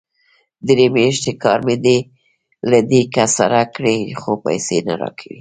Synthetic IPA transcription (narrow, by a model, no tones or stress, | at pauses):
d̪ɾemeʃt̪ekɑɾmed̪e | lad̪ekasa̰ɾakɽexopa̰jsenaɾɑ̰kʰawi